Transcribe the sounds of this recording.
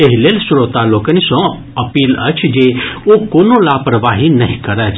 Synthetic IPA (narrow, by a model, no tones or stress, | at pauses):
eɦilelsʊɾot̪aloːkənisõ | ɐpiːlə̰t͡ʃʰd͡ʒeokoːnolaːpɾəʋaːɦinɐɦĩkəɾət͡ʃʰ